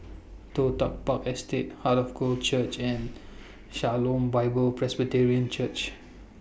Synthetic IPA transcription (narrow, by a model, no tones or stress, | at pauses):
t̪ot̪a̰k̚pakɛstet̚halɔfkot͡ʃət͡ʃɛ̃n | ʃalõmbaɪbəlpɹɛsbitɛɹiə̃nt͡ʃət͡ʃ